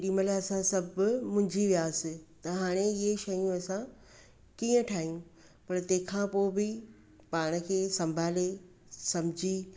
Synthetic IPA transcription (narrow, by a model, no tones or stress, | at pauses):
ɖĩːməlaɐsãsɐbmʊ̃ɦɪ̃ɲd͡ʑiʋijaːsɪt̪ɐɦaːɽ̃eɪɦeʃɐjũɐsã | kiːə̃ʈʰaːɦijũ | pɐɾt̪ɐ̃ːkʰãpoːbɪ | paːɽ̃ə̆kʰeːsɐ̃mbʱaːle | sɐmd͡ʑʱi